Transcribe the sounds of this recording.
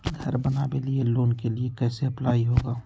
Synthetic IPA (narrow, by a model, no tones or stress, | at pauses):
ɡʱəɾbənaːbelieloːnkeliekɛːseɐplaːiɦoːɡaː